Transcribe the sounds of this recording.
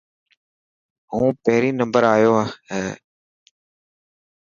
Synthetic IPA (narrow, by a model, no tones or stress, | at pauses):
ɦũːpəɦɾiːnəmbəɾaːjoːɦaːɦeː